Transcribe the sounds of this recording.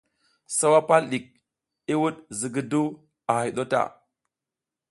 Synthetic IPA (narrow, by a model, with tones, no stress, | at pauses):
sa˦wa˦pa˦lɗi˨k̚ | i˦wu˦ɗzi˨ɡi˦du˦ | a˨ha˨ɗo˦ta̰˨